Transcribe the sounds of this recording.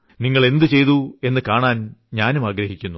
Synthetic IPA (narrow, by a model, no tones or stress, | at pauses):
niŋːɐɭe̞nd̪ɨt͡ɕe̞jt̪ue̞nːɨkaːɳaːnɲaːnumaːɡɾɐɦikʲːunːu